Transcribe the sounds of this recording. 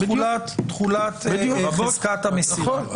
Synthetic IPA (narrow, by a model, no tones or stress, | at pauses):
ulatːχulat̪zkat̪amesio